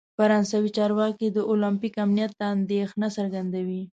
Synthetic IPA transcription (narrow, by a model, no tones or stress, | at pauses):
faɾɑnsawit͡ʃɑɾwɑkid̪əʔolampikamnijat̪̚d̪aːnd̪exnasaɾɡand̪awi